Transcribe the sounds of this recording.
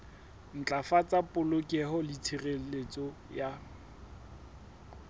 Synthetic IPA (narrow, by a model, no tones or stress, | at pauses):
n̩t͡ɬʼafat͡sʼapʼʊlokʼiɛhɔlit͡sʰirelet͡sʼɔja